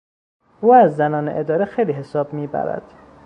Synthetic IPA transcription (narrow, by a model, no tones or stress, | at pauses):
ʔuːæzːænɒːnḛʔed̪ɒːɾexejliːɦe̞sɒːbmiːbæ̰ɾæ̰d̪̥